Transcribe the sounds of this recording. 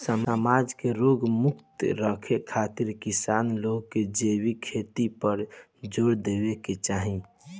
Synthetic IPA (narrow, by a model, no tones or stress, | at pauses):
səməmad͡ʒkeɾoɡmukt̪ɾəkʰekʰat̪iɾkisanloɡked͡ʒebikʰet̪ipəɾ | d͡ʒoːɽd̪ebeket͡ʃaɦĩ